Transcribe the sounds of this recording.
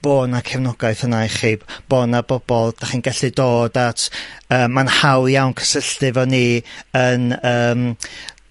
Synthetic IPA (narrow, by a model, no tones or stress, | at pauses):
b̥oːnakʰɛvnɔɡaɨθənajχiːb̥b̥ɔːnabɔb̥ɔlˠd̥aχiːnɡɛɬɨdoːdatʰəːmːanhawjawnkʰə̥səɬtɨvɔniənəːm